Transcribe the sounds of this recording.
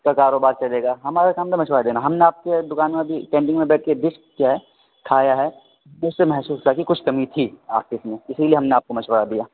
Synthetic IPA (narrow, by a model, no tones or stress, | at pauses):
kakaːɾoːbaːɾt͡ʃɐleːɡaːɦɐmaːɾekaːmsemɐʃwəɾad̪eːnaɦɐmneaːp̚ked̪ʊkaːnmẽbʱipẽːɳʈɪ̃ŋmẽbɛːʈ̚ʰked̪ɪʃk̚kjaːɦɛ | kʰaːjaɦɛ | ʊsːemɛɦsuːsakikʊt͡ʃʰkɐmit̪ʰia̰ːp̚kɪsmẽɪsilieɦɐmneaːp̚komɐʃwəɾad̪ijaː